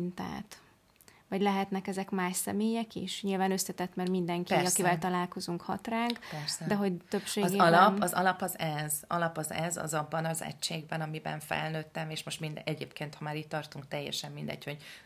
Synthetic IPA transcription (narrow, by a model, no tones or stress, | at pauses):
nt̪a̰ːt̪ | vɒɟlɛɦɛt̪nɛkɛzɛkmaːʃsɛmeːjɛkḭʃɲilvaːnø̞st̪ɛt̪ɛt̪mɛrmind̪ɛŋkɒkivɛlt̪ɒlaːlko̞zuŋkhɒt̪raːŋkpɛɾsd̪ɛɦo̞ɟt̪øpʃeːzɡeɒlɒpɒzɒ̰lɒpɒzɛzɒlɒpɒzɛzɒ̰zɒbːɒnɒzɛ̰cːeːɡbɛnɒmibɛ̰ɱfɛ̰lnøːt̪ːɛmeːʃmo̞ʃt̪mind̪ɛɟeːpkeːnt̪hɒmaːɾitʲt̪ːɒrt̪uŋk̚t̪ɛjːɛ̰ʃɛmːind̪ɛ̰ɟho̞ɟ